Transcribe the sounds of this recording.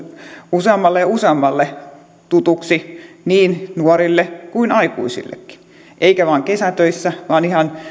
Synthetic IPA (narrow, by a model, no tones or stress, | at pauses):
useɑmːɑlːeuseɑmːɑlːe | t̪ut̪uksiniːnnuɔrilːekuinɑikuisḭlːḛkːi̥ | ʔeikæʋɑːŋkesæt̪øisːæʋɑːnihɑn